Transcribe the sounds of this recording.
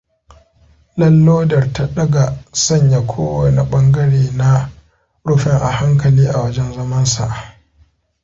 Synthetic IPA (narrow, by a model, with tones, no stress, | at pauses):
lɐ˦lːoː˦dɐ˨rta˦ɗɐ˦ɡa˨sɐ˦˨ɲja˨kʷʰoː˦wɐ˨na˨ɓɐ˦ŋɡɐ˦ɽeː˨na˦ | ɽʊ˦ɸɛ˦ŋʔa̰˨ha˦ŋkɐ˨liː˦ʔa˨wɐ˦d͡ʒɛ˦nzɐ˦mɐ˦nsa̰˨ʔ